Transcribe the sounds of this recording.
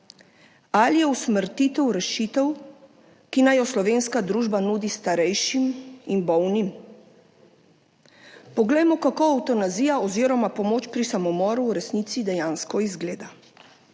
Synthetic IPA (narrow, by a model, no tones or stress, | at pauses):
alijɛusməɾt̪iːt̪ɛwɾɛʃit̪ɛw | kinajɔslɔʋeːnskad̪ɾuːʒbanuːd̪ist̪aɾɛjʃiminbɔwnim | pɔɡlɛjmɔkakoawt̪ɔnaziːjaɔziːɾɔmapɔmoːt͡ʃpɾisamɔmɔːɾuːɾɛsnit̪sid̪ɛjaːnskɔizɡleːd̪a